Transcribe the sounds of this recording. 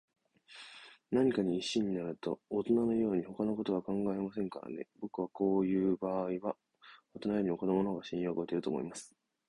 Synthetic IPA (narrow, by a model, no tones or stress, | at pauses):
naɲ̟ikaɲ̟iːɕiɲ̟inaɾɯ̟t̪o̞̰ːt̪o̞nano̞jo̞ːɲ̟iho̞kano̞ko̞t̪o̞βakãŋɡae̞masẽ̞ŋka̰ɾa̰ne̞̰bo̞kɯ̟β̞ako̞ːjɯ̟ːbaːiβa | o̞t̪onajoːɲ̟imoko̞nomonoɡaɕĩjo̞ːɡo̞et̪e̞ɾɯ̟t̪o̞ːmo̞̰ḭmasɨ̥